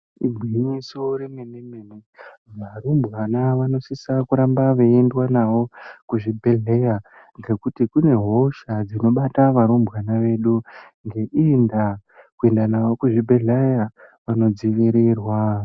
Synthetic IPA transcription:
ibʱwiɲiso̞ɾemememene | ʋaɾumbɣanaʋano̞sisakuɾambaʋeendwanaʋo̞kuʐibʱeɮeja | ŋɡe̞kutikune̞ɦo̞ʃad͡zino̞ɓataʋaɾumbwanaʋe̞ɗu | ŋɡe̞ʔindakue̞ndanaʋo̞kuʐibʱeɮejaʋano̞d͡ziʋiɾirwa

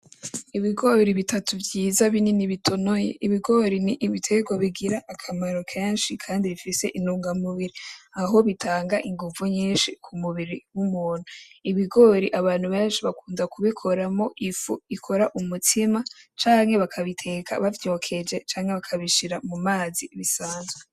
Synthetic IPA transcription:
iβiɡo̞ɾiβitʰatʰuvjiːzaβininiβitʰo̞nojḛʔiβiɡo̞ɾiniʔiβitʰeɡwaβiɡiɾaʔːkʰamaɾo̞kʰeːnʃikʰaːndiβifise̞ʔinuːŋɡamuβiɾiaɦo̞βitʰaːŋɡaʔiŋɡuvuɲiːnʃikʰumuβiɾiwumuːn̥huiβiɡo̞ːɾiʔaβaːnhuβeːnʃiβakuːnzakuβikʰo̞ɾamo̞ʔifuikʰo̞ɾaʔumutʰimat͡ʃaːŋhe̞βakʰaβitʰe̞ːkʰa̰βavjo̞ːkʰe̞d͡ʒe̞t͡ʃaːŋhe̞βakʰaβiʃiɾamumaːziβisaːnzɡwe

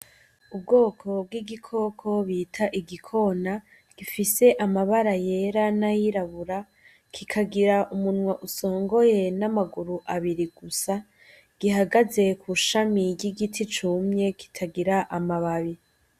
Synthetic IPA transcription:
ub̚ɡo̞ːkʰo̞b̚ɡiɡikʰo̞kʰo̞βiːtʰaʔiɡikʰo̞na | ɡ̥ifise̞ʔamaβaɾaje̞ɾanajiɾaβuɾa | kʰikʰaɡiɾaʔumunwaʔuso̞ːŋɡo̞je̞namaɡuɾuʔaβiɾiɡ̥usa | ɡ̥iɦaɡaze̞kʰuʃamiɾɟiɡitʰit͡ʃumɲe̞ki̥tʰaɡiɾaʔamaβaβi

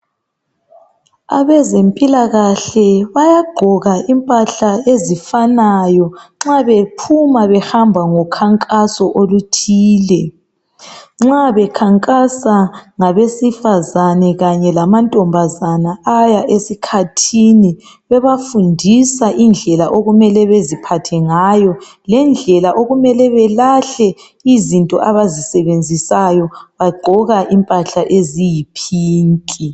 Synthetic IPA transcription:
a̰βɛzempʼilaɣaɬɛβajaɡ͡ǃʱɔɣaʔimpʼaɬaezifanajɔŋ͡ǁaβepʰumaβɛhambʱaŋɔkʰaŋkʼasɔʔolutʰiːlɛ | ŋ͡ǁaβɛkʰaŋkʼasaŋaβesifazanɛɣaɲɛlamantʼɔmbʱazanaajaʔesikʰatʰini | βɛβafundʱisaʔind͡ɮʱɛlaʔoɣumɛlɛβezipʰatʰɛŋajɔ | lɛnd͡ɮʱɛlaʔoɣumɛlɛβɛlaɬɛ | izintʼɔ̰ʔaβazisɛβend͡zʱisajɔβaɡ͡ǃʱɔɣaʔimpʼaɬaʔezijipʰiːŋkʼi

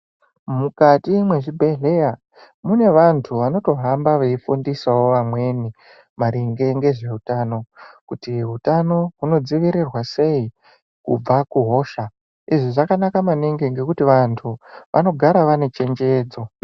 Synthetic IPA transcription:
mukatimwe̞ʐibʱe̞ɮe̞ja | mune̞ʋantʰuʋano̞to̞ɦambaʋeifundisawo̞ʋamwe̞ni | maɾiŋɡe̞ŋɡe̞ʐe̞ɦutano̞kutiɦutano̞ɦuno̞d͡ziʋiɾirwase̞i | kṵb͡vakuɦo̞ːʃa | iʐiʐakanakamaniŋɡeŋɡe̞kutiʋantʰuʋʔa̰no̞ɡʱaɾaʋane̞t͡ʃe̞nd͡ʒe̞ːd͡zo̞

